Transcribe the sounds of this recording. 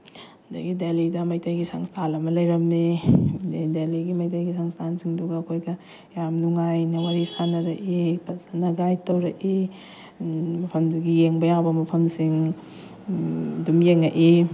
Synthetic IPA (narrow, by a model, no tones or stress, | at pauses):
ndɐ̰ɡidelidɐmɐjtɐjɡisaŋstʰalɐmɐlɐjɾɐmːeddeliɡimɐjtɐjɡisaŋstʰansiŋduɡɐɐkʰojɡɐ | jamnuŋajnɐwaɾisanɐɾɐʔipɐsanɐɡajtɐwɾɐʔi | mɐpʰɐmduɡijeŋbɐjawbɐmɐpʰɐmsiŋ | dumjeŋɐʔi